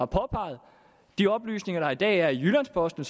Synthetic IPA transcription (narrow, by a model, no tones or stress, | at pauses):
ɑ̈pʰɒpʰɑ̈ɪð̩ˠ | d̥iɒ̽b̥ly̰ːsne̝ŋɐɾ̥ɑ̈id̥ɛ̰ːæɐijylænspʰɒ̽sd̥n̩s